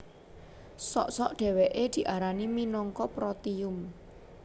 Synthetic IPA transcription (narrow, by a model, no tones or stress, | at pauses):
sɔʔsɔʔɖ̪̥ɛ̤weʔed̪̥i̤ʔaɾaniminɔŋkɔpɾɔt̪iʊm